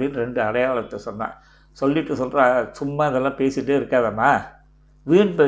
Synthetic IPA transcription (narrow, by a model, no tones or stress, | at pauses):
ɽɪnːɾɛɳɖɯɐɽɐjaːɭɐt̪ːɐsɔnːã̰ː | sɔlːɪʈːɯsɔlrãːsʊmːaːɪðɛlːãːpeːsɪʈːɯɪɾɯkːaːðɐnːaː | ʋiːɳpeː